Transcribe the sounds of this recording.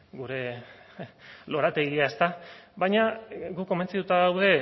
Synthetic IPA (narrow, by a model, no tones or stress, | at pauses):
ɡuɾe̞ | lo̞ɾat̪e̞ɣiae̞st̪aβajɲaɡukːo̞me̞nt͡sit̪ut̪aðawð̞e̞